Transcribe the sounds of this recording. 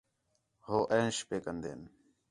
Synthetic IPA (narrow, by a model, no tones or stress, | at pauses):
hoːʔeːnʃpeːkənd̪ḛːn